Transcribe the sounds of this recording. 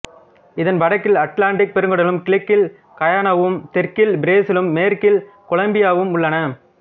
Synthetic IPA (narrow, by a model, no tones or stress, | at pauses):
ɪðɐnʋɐɽɐkːɪlɐʈlaːɳʈɪk̚pɛɾɯŋɡɯɽɐlɯmkɪɭɪkːɪl | kɐjaːnɐʋɯmt̪ɛrkɪlbɪɾeːsɪlɯmːeːɾkɪl | kɔɭɐmbɪjaːʋɯmʊɭːɐnɐ